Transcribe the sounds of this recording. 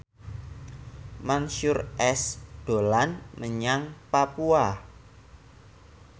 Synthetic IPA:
maŋʃʊrʔɛsd̥o̤lanməɲaŋpapua

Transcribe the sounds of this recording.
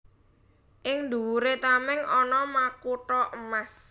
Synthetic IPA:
ʔɪŋd̪uwuɾet̪amɪŋɔnɔmakuʈɔʔəmas

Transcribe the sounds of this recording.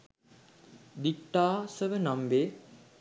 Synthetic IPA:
d̪ikʈːaːsəʋənambeː

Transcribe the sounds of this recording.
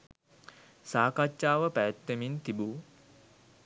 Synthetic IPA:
saːkat͡ʃːaːʋəpæjæt̪ːemint̪ibu

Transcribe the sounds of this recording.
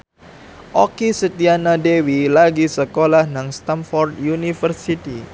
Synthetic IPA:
ʔokisət̪ianadewilaɡisəkolahnaŋst̪anfɔrd̪junifərsit̪i

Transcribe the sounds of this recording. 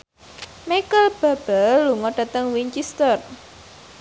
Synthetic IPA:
mekəlb̥a̤b̥aluŋɔɖ̥a̤t̪əŋwiɲt͡ʃist̪ər

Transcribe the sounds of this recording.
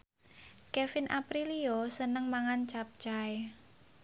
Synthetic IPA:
kefɪnʔapɾiliosənəŋmaŋant͡ʃap̚t͡ʃae

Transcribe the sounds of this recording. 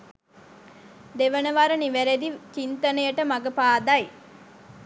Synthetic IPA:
d̪eʋənəʋaɾəniʋæɾed̪it͡ʃint̪ənəjəʈəmaɡəpaːd̪ɐj

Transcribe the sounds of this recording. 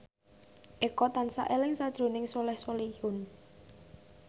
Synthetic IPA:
ʔekɔt̪ansa̰ʔelɪŋsad̥ʒ̥ɾo̤nɪŋsolɛhsolihʊn

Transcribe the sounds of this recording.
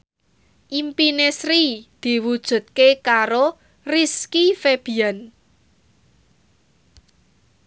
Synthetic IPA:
ʔimpinesɾid̪̥i̤wud̥ʒ̥ṳt̪̚kekaɾo | riskifeb̥i̤an

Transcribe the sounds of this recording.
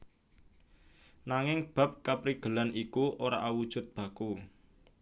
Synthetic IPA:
naŋɪŋb̥a̤p̚kapɾiɡ̥ə̤lanʔikuʔoɾa̰ʔawud̥ʒ̥ʊ̤t̪̚b̥ä̤ku

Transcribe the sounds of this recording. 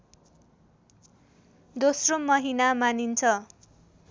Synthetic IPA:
d̪osromʌɦinamanint͡sʰʌ

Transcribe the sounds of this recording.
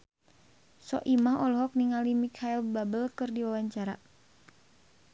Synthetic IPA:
sɔ̰ʔimahɔlɦɔk̚niŋalimikʰailbabəlkɨrdiwawaɲt͡ʃaɾa̰

